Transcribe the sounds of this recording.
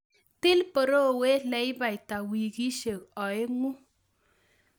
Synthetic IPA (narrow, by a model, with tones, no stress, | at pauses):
tɪ˦lpɔ˨ɾo˦we˦lɛ˨˦jba˨jta˨wi˨ki˦ʃe˨kɔ˨e˦ŋu˦